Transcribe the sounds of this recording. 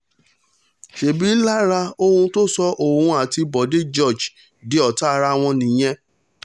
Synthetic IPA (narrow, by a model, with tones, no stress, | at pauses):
ʃe˨bi˨˦la˦ɾa˧o˧hũ˧to˦sɔ˧ʔo˦˨ũ˧a˨ti˧bɔ˨de˨˦d͡ʒɔ˦˨d͡ʒ | de˨˦ɔ˦˨ta˦˧ɾa˧w̃ɔ̃˧nĩ˨j̃ɛ̃˧˦